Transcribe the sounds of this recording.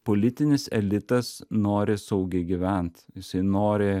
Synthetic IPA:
polʲɪt̪ʲɪnʲɪsɛ̰lʲɪt̪ɐsnoːɾʲɪsɐʊɡʲɛɪɡʲɪʋʲɛnt̪jɪsɐɪnoːɾʲɪ

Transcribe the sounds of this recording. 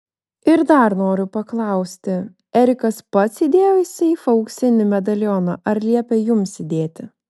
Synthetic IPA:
ɪɾd̪ɐɾnoːɾʲʊpɐklˠɐˑʊsʲt̪ʲɪ | ɛɾʲɪkɐspɐt̪sid̪ʲeːjoːjɪsʲɐifɐʊksʲɪnʲɪmʲɛd̪ɐlʲjɔnɐʔɐɾlʲiɛpʲɛjʊmsʲɪd̪ʲeːt̪ʲɪ

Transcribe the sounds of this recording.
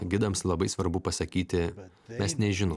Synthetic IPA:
ɡʲɪd̪ɐmslˠɐbɐɪsʋɐɾbʊpɐsɐkʲiːt̪ʲɪ | mʲɛsnʲɛʒʲɪno

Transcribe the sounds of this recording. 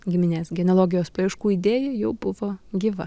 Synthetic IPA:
ɡʲɪmʲɪnʲeːsɡʲɛnʲolˠoːɡʲɪjoːspɐɪʃkuːiːd̪ʲeːjɛːjɛʊbʊʋoːɡʲiːʋɐ

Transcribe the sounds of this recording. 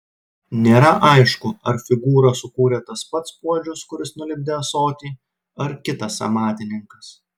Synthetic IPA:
nʲeːɾɐʔɐɪʃkʊɐɾfʲɪɡuːɾɐsʊkuːɾʲet̪ɐspɐt̪spuɔd͡ʒʲʊskʊɾʲɪsnʊlʲɪb̚ʲd̪ʲesoːt̪ʲiː | ɐɾkʲɪt̪ɐsɐ̰mɑːt̪ʲɪnʲɪŋkɐs

